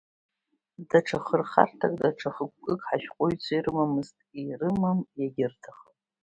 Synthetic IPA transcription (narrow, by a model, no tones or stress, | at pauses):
daʈ͡ʂʰaχərχa̰rtʰakʼdaʈ͡ʂʰaχəkʷːʼɨkʼħaʃᶣqʷʼoɥt͡sʷʰairɨmamɨztʼirɨmamjaɡʲɪrtʰaχə